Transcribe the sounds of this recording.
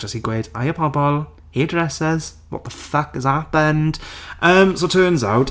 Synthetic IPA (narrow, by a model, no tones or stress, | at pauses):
əsiɡweːda̰ɪəpʰɔbɔlˠ | hiədɹɛsɪz̥ | wɒ̰ʔ̪̚ðəfʌkɪzat̚bə̃nd̥ʔəmsoʊtʰɜːnza̰ʊt